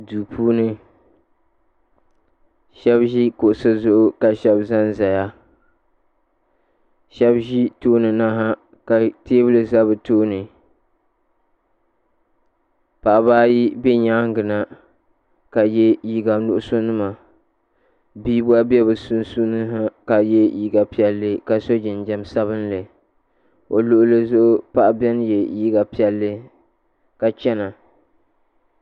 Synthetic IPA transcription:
duː˨pʰuː˦nɨ˦ | ʃɛ˦bʒi˦ko˨ʔʊ˨sa˦zʊ˨ʔʊ˦ka˨ʃɛ˦bza˦nza˨ja˦ | ʃɛ˦bʒi˦toː˦nɨ˨na˦ɦa˦ | ka˨teː˦bɨ˦lɨ˨za˦bɨ˨toː˦nɨ˨ | pa˨ʔa˨baː˦ji˦bɛ˦ɲaː˦ŋ˦ɡɨ˨na˨ | ka˨jɛ˦ji˦ɡa˨nʊ˦ʔʊ˦so˦nɨ˦ma˨ | biː˦bʊ˦a˦bɛ˦bɨ˨su˦n˦su˦nɨ˦ɦa˦ka˨jɛ˦ji˦ɡa˨pi˦ɛ˦lːɨ˦ka˨so˦d͡ʒɪ˨nd͡ʒɛ˦msa˦βɨ˦n˦lɨ˨ | o˨lʊ˨ʔʊ˦lɨ˦zʊ˦ʔʊ˦pa˦ʔa˨bɛ˦n˦jɛ˨ji˦ɡa˨pi˦ɛ˦lːɨ˦ | ka˨t͡ʃɛ˦na˨

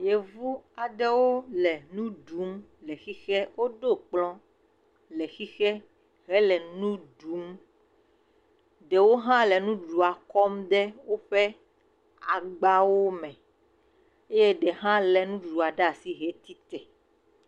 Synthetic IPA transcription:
je˨vu˦a˨ɖɛ˦wo˦lɛ˨nũ˦ɖu˨˦mlɛ˨xi˦xɛ˦wo˦ɖo˦k͡plɔ̃˦ | lɛ˨xi˦xɛ˦ | ɦɛ˦lɛ˨nũ˦ɖu˨˦m | ɖɛ˨wo˦ɦã˦lɛ˨nũ˦ɖu˨a˨kɔ˦mɖ̪ɛ˦wo˦ɸɛ˦ | a˨ɡ͡ba˦wo˦mɛ̃˨ | e˦je˦ɖɛ˨ɦã˦lɛ˨nũ˦ɖu˨a˨ɖa˦˨si˦ɦe˦t̪i˦t̪ɛ˨

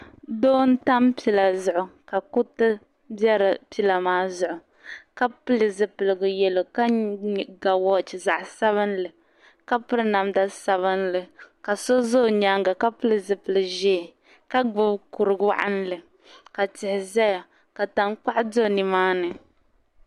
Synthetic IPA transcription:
doː˦n̩˦ta˦mpi˨la˨zʊ˨ʔʊ˨ka˨ku˦tɨ˦ | bɛ˦ɾɨ˨pi˦la˨maː˦zʊ˨ʔʊ˨ | ka˦pɨ˦lɨ˨zɨ˨pɨ˨lɨ˨ɡʊ˨jɛ˨lo˨ka˦˨ɡa˨wɔ˦t͡ʃi˨za˨ʔsa˦βɨ˦nlɨ˨ | ka˦pɨ˦ɾɨ˦na˨mda˦sa˨βɨ˦n˦lɨ˨ka˨so˦zo˦˨ɲa˦ŋɡa˨ka˦pɨ˦lɨ˨zɨ˨pɨ˨lɨ˨ʒɛː˦˨ | ka˦ɡ͡bɨ˦bku˨ɾɨ˨ɡwa̰˦˨ʔa̰˦n˦lɨ˨ | ka˨tɪ˨hɪ˨zɛ˦ja˨ | ka˨ta˦ŋk͡pa˦ʔdo˦˨nɨ˨maː˦nɨ˨

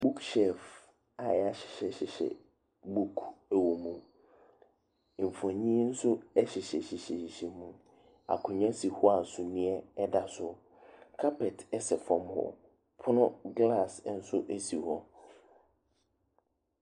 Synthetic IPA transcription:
bu˦kʃɛ˨f | a˨a˨ɕɪ̥˨ɕɛ˨ɕɪ˨ɕɛ̰˨ | bu˦kʰæ˨wo˨mũ˨ | m̩˨fã˨ɲĩ˦n̩˦sʊ˦ɛ˦ɕɪ˨ɕɛ˨ɕɪ˨ɕɛ˨ɕi˨ɕɛ˨mũ˨ | a̰˨kʰʊ̃˨ɲ˦ã˦si˨hɔ˦a˨n̩˨sʊ˦nĩ˦ɛ˦ɛ˦da˨sʊ˦ | kʰa˦pʰɛ˨tɛ˦sɛ˨fɔ̃˨mhɔ̰˨ | pʰʊ˦nʊ̃˦ɡla˦˨sn̩˦sʊ˦ʔe˦si˨hɔ˦

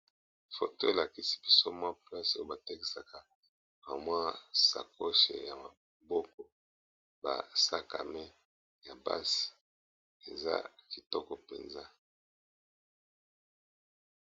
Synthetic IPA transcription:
fo̰˨to˦e˨la˨ki˦si̥˦bi˨so˦mwa˦pla˦so˦o˦ba˨tɛ˦ki˨sa˨ka˨ | ba˨mwa˦sa̰˨ko˦ʃḛ˨ja˨ma˨ | bɔ˦kɔ˨ | ba̰˨sa˦ka̰˨mɛ˦ | ja˨ba̰˦si̥˨ | e˨za̰˦ki˨tɔ˦kɔ˨pḛ˨nza˦

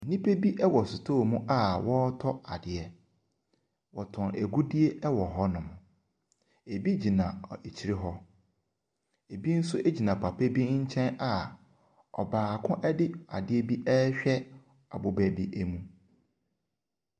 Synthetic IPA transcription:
n̩˨nĩ˦pʰe˦bi˦ʔɛ˦wɔ˨sʊ˨tʰoː˦˨mũ˦ʔa˦wɔ˦tʰɔ˦a˨dɪ˨ɛ˨ | wɔ˨tʰʊ̃˨nḛ˨ɡu˦di˦e˦ʔɛ˦wɔ˨ɦɔ˦nʊ̃˨m˨ | e˨bi˦d͡ʑi˨nã˨e˨t͡ɕʰi˨ɾɪ˦ɦɔ˦ | e˨bi˦n̩˦sʊ˦ʔe˦d͡ʑi˨nã˨pʰa˨pʰɛ˦bi˦ɲ̩˦t͡ɕʰɛ̃˦na˨ | ɔ̰˨baː˨kʰʊ̃˦ʔɛ˦dɪ˦a̰˨dɪ˦ɛ˦bi˦ʔɛ˦ɕᶣɛ˦ | a̰˨bʊ˨bæ˨bi˦ʔɛ˦mũ˦

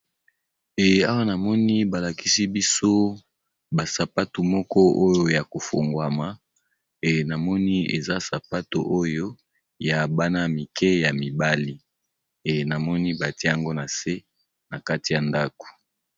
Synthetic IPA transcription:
e˨a˦wa˦na˨mɔ˦ni˦ba˨la˨ki˦si˦bi˦so˦ | ba˨sa˨pa˦tu˨mɔ˦kɔ˦o˦jo˦ja˨ko˨fo˨ŋɡwa˨ma˨ | e˨na˨mɔ˦ni˦ḛ˨za˦sa˨pa˦to˨ʔo˦jo˦ | ja˨ba˦na˦mi˨kʰɛ˦ja˨mi˨ba˦li˦ | e˨na˨mɔ˦ni˦ba˨ti˦e˦ja˨ŋɡo˦na˨se˦ | na˨ka˦ti˨ja˨nda˦ko̥˨

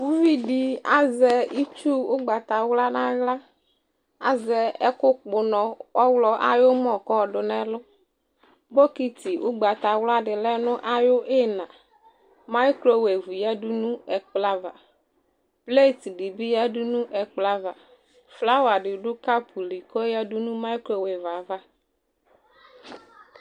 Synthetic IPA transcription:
wu˦vi˦ɖi˨a˦zɛ˦i˦t͡ʃu˦wʊ˦ɡ͡ba˨t̪a˨wla˦nã˦ɣla˦ | a˨zɛ˨ɛ˦kʊ˦k͡pʊ˨nɔ̃˨ɔ˦wlɔ˦ʔa̰˦jo˦mɔ̃˨kɔ˦˨ɖʊ˨nɛ˦lʊ˦ | bo˦ki˦t̪i˨wu˦ɡ͡ba˨t̪a˨wla˦ɖɪ˨lɛ˦nʊ̃˦ʔa˦jo˦e˦nã˨ | ma˦klo˦we˨vu˨jɛ˦du˦nũ˦ɛ˨k͡pla˦va˨ | ple˦˨ti˨di˨bi˦ja˦dʊ˦nũ˦ʔɛ˨k͡pla˦va˨ | fla˦wa˨ɖɪ˨ɖʊ˦ka˦pʰu˨li˨kɔ˦jɛ˦du˦nũ˦ma˦i˦klo˦we˨va˨va˦

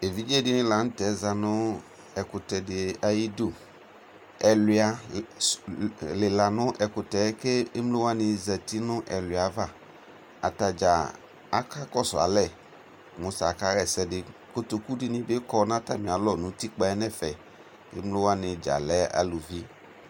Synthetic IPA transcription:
e˨vi˦d͡ʒe˦dɪ˦nɪ̃˦la˨˦n̩˦t̪ɛ˨˦za˨nʊ̃˦ | ɛ˨kʊ˨t̪ɛ˨dɪ˨a˨ji˦do˦˨ | ɛ˨lɪ˨˦a˨ | lɪ˨la˨nʊ̃˦ʔɛ˨kʊ˨t̪ɛ˨˦ke˦ɪ˦mlo˦wa˦nɪ̃˨zɛ˨t̪i˦nʊ̃˦ʔɛ˨lwa˨˦va˦˨ | a̰˨t̪a˨d͡ʒa˨ | a˦ka˦kɔ˦sʊ˨a̰˨lɛ˦˨ | mõ˨sa˨ka˦ɣɛ˨sɛ˦dɪ˨ko˦t̪o˨ku˦ɖɪ˦nɪ̃˦bɪ˦kɔ˦nã˦t̪a̰˦˨mĩ˨a˨lɔ˦˨nʊ̃˨˦t̪i˦k͡pa˦ɛ˦nɛ̃˦˨fɛ˨ | ɪ̰˦mlo˦wa˦nɪ̃˨d͡ʒa̰˨lɛ˦a̰˨lu˨vi˦

